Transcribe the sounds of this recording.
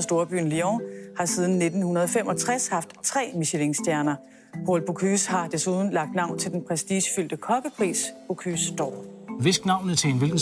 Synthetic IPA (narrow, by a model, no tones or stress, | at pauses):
sd̥o̝ɐb̥y̰ːn̩liɒhɑ̈sið̞ˠn̩ne̝d̥n̩hunɐð̞ˠɒfem̰ʔɒ̽t͡sʰʁashɑ̈fd̥t͡sʰʁɛ̰ːmiɕeleŋsd̥jæɐnɐ | pʰolb̥ʰokʰyshɑ̈d̥esuð̞ˠn̩lɑ̈ɡ̥̚d̥nɑ̈ʊ̰nt͡sʰe̝ld̥enpʰʁɛsd̥ḭːɕfyl̰d̥əkʰɒ̽b̥əpʰʁḭːsb̥ʰokʰysd̥ɒ̰ːʋe̝sɡ̥nɑ̈ʊ̰nət͡sʰenʋelɡ̥n̩